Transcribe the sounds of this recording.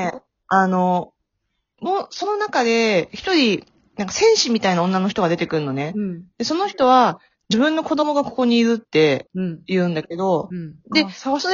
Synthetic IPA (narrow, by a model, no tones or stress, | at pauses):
e | ano̞ | mo̞ːso̞no̞nakad̪e̞çi̥t̪o̞ɾʲi | nãŋkḁsẽ̞ɰ̃ɕimʲit̪ainaõ̞nːanoçi̥t̪oad̪e̞t̪e̞kɯ̟ɾɯ̟no̞ne̞d̪̥e̞so̞no̞çi̥t̪o̞β̞a | d͡ʑibɯ̟̃nːo̞ko̞d̪o̞mo̞ɡako̞̥ko̞ɲ̟iːɾɯ̟t̪ːe̞jɯ̟̃ːnd̪ake̞d̪o̞d̪e̞so